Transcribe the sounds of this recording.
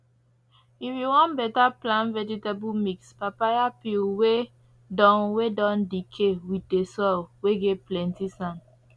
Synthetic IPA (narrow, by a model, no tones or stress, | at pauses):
iwiwɔ̃nbɛtaplãnvɛd͡ʒitabumikspapajapilwe | dɔ̃nwedɔ̃ndikʰewitdesɔlweɡɛplɛ̃ntisãn